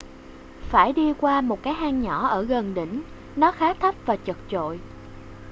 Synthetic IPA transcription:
faː˧˩jɗi˧kwaː˧mo˨˩t̚kaː˨˦jʔaː˧ŋɲɔ˧˩ʔəː˧˩ɣə˨˩nɗḭ̈˧˩ŋ̟ | nɔ˨˦xaː˨˦t̪ʰə˦˥p̚vaː˨˩t͡ɕə˨˩k̚t͡ɕo̰˧˨j

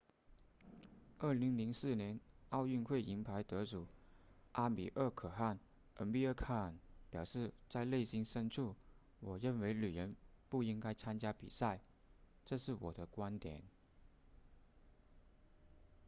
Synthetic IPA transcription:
ə˞˥˩li˧˥ŋli˧˥ŋsɹ̩˥˩njɛ˧˥nɑ˥˧ʊy˥˧nxwe˥˩ɪi˧˥ŋpʰa˧˥ɪt̪ɤ˧˥ʈ͡ʂu˨˩˦ʔa˥mḭ˨˩ʔə˥˩kʰɤ˨˩xa˥˩n | ʔə˧˥npi˥˧ə˥˧kʰa˥˩˨npjɑ˨˩ʊʂɻ̩˥˩t͡sa˥˧ɪle˥˩ɪɕi˥nʂə˥nʈ͡ʂʰu˥˩ | wɔ˨˩ɻə˥˩nwe˧˥ɪly˨˩ɻə˧˥npu˥˩i˥ŋka˥ɪt͡sʰa˥nt͡ɕja˥pḭ˨˩sa˥˩ɪ | ʈ͡ʂɤ˥˧ʂɻ̩˥˩wɔ̰˨˩d̪ə˦kwa˥nt̪jɛ˨˩˦n

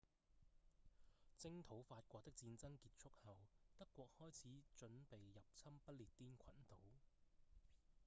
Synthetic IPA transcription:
t͡sɪ˥ŋt̪ʰo˨˥wfaː˧t̚kʷɔː˧t̪ɪ˥k̚t͡siː˧nt͡sɐ˥ŋkiː˧t̚t͡ʃʰʊ˥k̚hɐ˨wt̪ɐ˥kːʷɔː˧k̚hɔː˥jt͡sʰiː˨˥t͡ʃɵ˨˥npe˨˩jːɐ˨p̚t͡sʰɐ˥mpɐ˥t̚liː˨˩t̚t̪ːiː˥nkʷʰɐ˨˥nt̪o˨˥w

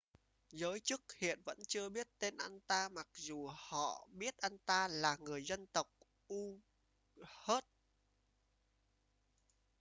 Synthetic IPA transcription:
zəː˨˦jt͡ɕɨ˦˥k̚hḭ˧˨ənvə̰˧˥nt͡ɕɨ˧əɓi˦˥ət̚t̪e˧nʔa˧nt̪aː˧ma˨˩k̚zu˨˩hɔ̰˧˨ɓi˦˥ət̚ʔa˧nt̪aː˧laː˨˩ŋɨ˨˩əjzə˧nt̪ə˨˩wk͡p̚ | ʔu˧ | he˦˥t̚

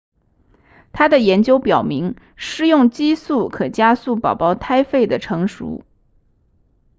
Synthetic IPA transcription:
t̪ʰa˥d̪ə˨jɛ˧˥nt͡ɕjo˥ʊpjɑ˨˩ʊmi˧˥ŋ | ʂɻ̩˥jʊ˥˩ŋt͡ɕi˥su˥˩kʰɤ˨˩t͡ɕja˥su˥˩pɑ˨˩ʊpɑ˥˧ʊt̪ʰa˥ɪfe˥˩ɪd̪ə˩ʈ͡ʂʰɤ˧˥ŋʂṵ˧˥

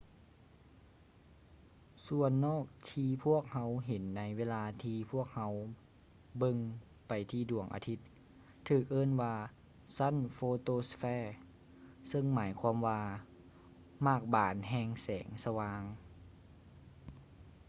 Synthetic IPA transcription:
su˧˩ənːɔː˥˩k̚t̪ʰiː˧pʰu˥˩ək̚ha˧˥wɦe˨˦nːa˧˥jweː˧˥˧laː˧t̪ʰiː˧pʰu˥˩ək̚ha˧˥w | bɤ˧ŋ | pa˨˩jt̪ʰiː˧˩du˨˩əŋʔa̰ː˧t̪ʰi˧˦˥t̪̚ʰː | ɯː˨˩k̚ʔɤː˧˥˨nwaː˧ | sa˧˥˩nfoː˧t̪oː˧˨sfɛː˧˩ | sɤ˧ŋmaː˩˦jkʰwaː˧˥˨mwaː˧ | maː˧˩k̚baː˨˩nɦɛː˧ŋsɛː˩˦ŋsa˧waː˧ŋ

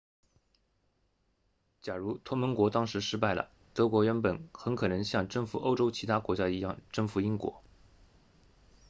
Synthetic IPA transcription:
t͡ɕja˨˩ɻu˧˥t̪ʰwɔ˥mə˧˥nkwɔ˧˥t̪ɑ˥ŋʂɻ̩˧˥ʂɻ̩˥p̬a˥˩ɪlə̰˩ | t̪ɤ˧˥kwɔ˧˥ɥɛ˧˥npə˨˩˦nxə˧˥nkʰɤ˨˩nɤ˧˥ŋɕjɑ˥˩ŋʈ͡ʂɤ˥˩ŋfu˨˩ʔo˥ʊʈ͡ʂo˥ʊt͡ɕʰi˧˥t̪ʰa˥kwɔ˧˥t͡ɕja˥i˧˥jɑ˥˩ŋʈ͡ʂɤ˥˩ŋfu˧˥i˥ŋkwɔ̰˧˥

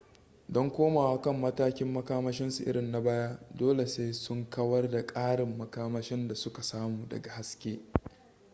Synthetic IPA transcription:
dɔ˦ŋkʷoː˦maː˨wa˦kɐ˦˨mːɐ˦taː˦kʲɪ˦mːɐ˦kaː˦mɐ˦ʃɪ˦nsu˨ʔɪ̰˦ɽɪ˨nːa˨˦baː˦ja˦doː˦le˨seː˦sʊ˦ŋkɐ˦wɐ˦rda˨kʼaː˦ɽɪ˨mːɐ˦kaː˦mɐ˦ʃɪ˦nda˨sʊ˦ka˨saː˦muː˨dɐ̰˨ɡa˨ha˦skʲeː˦

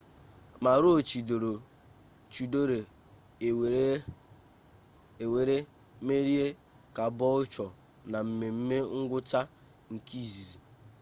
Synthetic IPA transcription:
ma˨ɾʊ˦o˨t͡ʃi˨do˨ɾo˨ | t͡ʃu˨do˦ɾe˨ | we˨ɾe˦ | me˦ɾi˦e˦ | ka˨bɔ˦ʊ˦t͡ʃɔ˨ | na˨m̩˨me˨m̩˦me˦ŋ̩˦ɡʷʊ˦ta˦ | ŋ̩˨ki˦˨zi˨zi˨

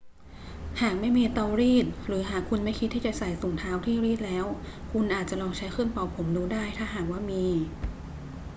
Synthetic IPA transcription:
haː˨˩k̚ma˥˩jmiː˧t̪aː˧wɾiː˥˩t̪̚ɾɯː˩˦ɦaː˨˩kʰːu˧nma˥˩jkʰi˦˥t̪̚ʰːiː˥˩t͡ɕa˨˩sa˨˩˦jsu˨˩˦ŋt̪ʰaː˦˥wt̪ʰiː˥˩ɾiː˥˩t̪̚lɛː˦˥w | kʰu˧nʔaː˨˩t̪̚t͡ɕa˨˩lɔː˧ŋt͡ɕʰa˦˥jkʰɯ˥˩˨npɔ˨˩pʰo˩˦mduː˧daː˥˩jt̪ʰaː˥˩ɦaː˨˩k̚waː˥˩miː˧

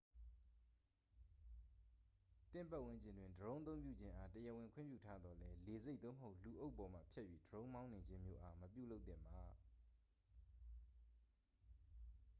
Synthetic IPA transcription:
t̪ɪ̰̃˦˨mpa˦ʔwɪ̃˦ɲd͡ʑɪ̃˨ndwɪ̃˨ndəɹõ˦ʊ̃t̪̬õ˦ʊ̃mp̬jṵ˦˨d͡ʑɪ̃˦ʔa˦təjɛ˨wɪ̃˨ŋkʰwɪ̰̃˦˨mpjṵ˦˨tʰa˦d̪ɔ˨lɛ˦le˨ze˦t̪̚o̰˦˨məɦo˦ʊʔlu˨ʔo˦ʊʔpːɔ˨m̥a̰˦˨pʰjɛ˦ʔjɥḭ˦˨dəɹõ˦ʊ̃mã˦ʊ̃ne˨d͡ʑɪ̃˦mjo̰˦ʔa˦məpjṵ˦˨lo˦ʊt̪θɪ̰̃˨mba˨

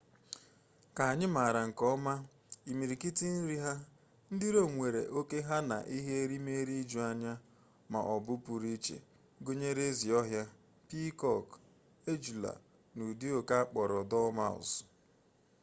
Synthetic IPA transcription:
ka˨a˨ɲɪ˦ma˨ɾa˨ŋ̩˨kɔ˦ma˦ | i˨mi˨ɾi˨ki˦ti˦n̩˦ɾi˦ɦa˦ | n̩˦dɪ˦ɾo˦˨ŋʷe˨ɾḛ˨ʔo˦ke˦ɦa˦na̰˨ʔi˦ɦe˦e˦ɾi˦me˦ɾi˦d͡ʒu˨a˦ɲa˦ | ma̰˨ʔɔ˨bʊ˦pu˨ɾi˦t͡ʃḛ˨ | ɡo˦ɲe˦ɾe˦zi˨ɔ˦ɦja˦ | pi˦kɔ˦˨k | e˦d͡ʒu˨la̰˨ | nu˨di˦o˨ka˦k͡pɔ˨ɾɔ˨dɔ˦ma̰˨s

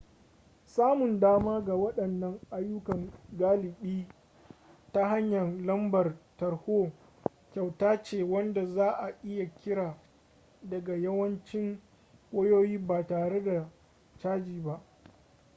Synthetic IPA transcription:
saː˦mʊ˨ndaː˦maː˦ɡa˨wɐ˦ɗɐ˨nːɐ˦ŋʔa˦jːʊ˦kɐ˨ŋɡaː˦lɪ˨ɓiː˦ | ta˦ɦa˦ɲjɐ˨nlɐ˦mbɐ˨rtɐ˨rhoː˦ | kʲa˨wtaː˦t͡ʃeː˨wɐ˦nda˨zaː˦ʔa˨ʔɪ˦ja˨kʲɪ˦ɽaː˨ | dɐ˨ɡa˨jɐ˦wɐ˦nt͡ʃɪ˦ŋ | kʷʼoː˦joː˦jiː˦baː˨taː˨ɽe˦da˨ | t͡ʃaː˦d͡ʒiː˨ba˦ʔ

